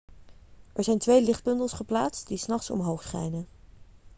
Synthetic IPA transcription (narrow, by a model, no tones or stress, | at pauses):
ʔɛɹzɛjntʋejlɪχt̚bɵndəlˠsχəplaːtstdisnɑχtsɔ̰mɦowχsχɛ̰jnən